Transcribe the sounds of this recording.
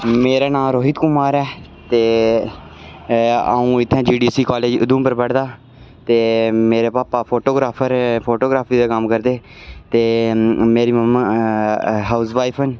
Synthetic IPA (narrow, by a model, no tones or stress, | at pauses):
meːɾaːnãːɾoːɦit̪kʊmaːɾɛː | t̪eː | a̰ːũːɪt̪ʰːɛ̃ːd͡ʒiːɖiːsiːkaːleːd͡ʒʊd̪ũːmpəɾbəɽd̪aː | t̪eːmeːɾeːpaːpaːpʰoːʈoːɡɾaːpʰəɾpʰoːʈoːɡɾaːpʰiːd̪eːkəmkəɾd̪eː | t̪eːmeːɾiːməma | ɦaːʊsʋaːipʰən